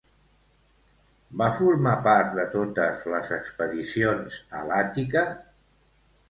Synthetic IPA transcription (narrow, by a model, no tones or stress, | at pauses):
bafuɾmapaɾt̪̚ðət̪ot̪əzləzəkspəðisionzə̰lat̪ikə